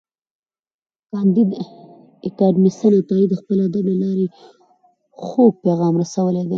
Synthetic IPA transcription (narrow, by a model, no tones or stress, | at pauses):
kɑnd̪id̪ | ɪkɑɖmist̪anat̪ɑid̪əxpəlad̪alalɑɾe | xoɡ̚peɣɑmɾasawəled̪e